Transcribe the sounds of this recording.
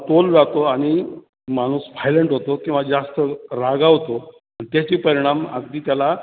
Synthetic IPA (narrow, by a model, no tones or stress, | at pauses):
t̪old͡zat̪oaɽ̃i | mañuːsʋajleɳʈɦot̪okĩw̃ʋad͡zast̪əɾaɡaɦot̪o | ənit̪jat͡ɕiːpəɾiɽ̃ama̰ɡd̪iːt̪jala